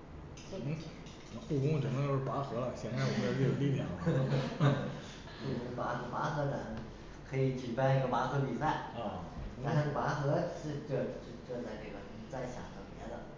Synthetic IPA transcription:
n̩˥˨˩ | mə˧˥pu˥˩kʊ˥ŋ˧˩ʈ͡ʂə˨˩ŋmə˧jo˥˩˥pa˧˥xɤ˧˥lə˧ɕɛ˧˥a˥˩wɔ˨˩ɛ˥ə˧˥i˥˩jo˨˩˦li˥˩ljɑ˥˩ŋl | u˥˩˧pa˧˥xɤ˧˩pa˧˥xɤ˧˥t̪a˧˥ʂ | kʰɤ˧˥i˧˥t͡ɕy˨˩pa˥ni˧˥ɡə˧pa˧˥xɤ˧˥pi˨˩sa˥˩ɪ˥˩˧a˥a˥˩˥pa˧˥xɤ˧˥ʂɻ̩˥˧ʈ͡ʂɤ˥˧ʂɻ̩˥˧ʈ͡ʂɤ˥˧t͡sa˥˧ɪʈ͡ʂɤ˥˩ɡə˩˧˥t͡sa˥˩ɪɕja̰˨˩t̪ʰɤ˧˥˩pjɛ˧˥d̪ə̰˧

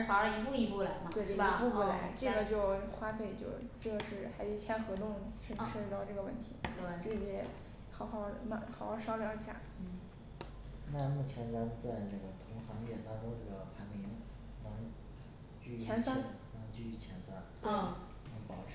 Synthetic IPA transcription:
fa˨˧˩ə˧˥i˧˥pu˥˧i˧˥˩pu˥˩la̰˧˥ɪm˧t̪we˥˩ɪ˥˩˥i˧˥pu˥˧pu˥˩la˧˥ɪʈ͡ʂɤ˥˩ɡə˩t͡ɕjo˥˩˧ʊxwa˥fe˥˩ɪt͡ɕjo˥˧ʊʈ͡ʂɤ˥˩ɡə˩ʂɻ̩˥˩xa˧˥ɪt͡s̩˧˥˩t͡ɕʰjɛ˧˥nxɤ˧˥t̪ʊ˥˧ŋʂə˥˧ʂ̩˥˧˥t̪ɑ˥˧ʊʈ͡ʂɤ˥˩ɡə˩wə̰˥˩nt̪ʰḭ˧˥t̪ʈ͡ʂɤ˥˩ɡə˩jɛ˨˩ | xɑ˨˩ʊxɑ˥˩ʊma˥˩xɑ˨˩ʊxɑ˥˩ʊʂɑ˥ʊljɑ˧˥ʊi˧˥ɕja̰˥˩ | na˥˧mu˥˩t͡ɕʰjɛ˧˥nna˧˥nt͡sa˥˧ɪnə˥˩ɡə˩t̪ʰʊ˧˥ŋxɑ˧˥ŋjɛ˥˩t̪ɑ˥ŋʈ͡ʂʊ˥ŋʈ͡ʂɤ˥˩ɡə˩pʰa˧˥ɪmi˧˥ŋ | na˧˥n | t͡ɕy˥˧t͡ɕt͡ɕʰjɛ˧˥nsa˥na˧˥ŋt͡ɕy˥˧y˥˩t͡ɕʰjɛ˧˥nsa˥nt̪we˥˩ɪ | nə˧˥ŋpɑ˨˩ʊʈ͡ʂʰ

